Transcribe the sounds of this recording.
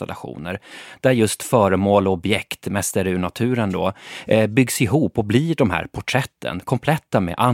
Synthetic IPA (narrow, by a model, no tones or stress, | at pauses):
a̰lʔa̰ɧṵːnəɾd̪̥æɾjɵst̪fœːɾəmoːlɔɔbjɛkt̪mɛst̪əɾʉɳat̪ʰʉ̟ːɾənd̪ɔːbʏɡsɪɦuːpɔbliːɖɔmɦæ̰ːɾpʰɔʈʰɾɛt̪ʰːə̰nkʰɔmpʰlɛt̪ːamɛ̰ʔa